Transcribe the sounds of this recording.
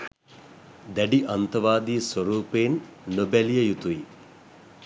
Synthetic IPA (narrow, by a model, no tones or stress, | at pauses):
d̪ɐɖiʔɐnt̪ɐʋaːd̪iːsʋɐɾuːpeːnːobeljɐjut̪ui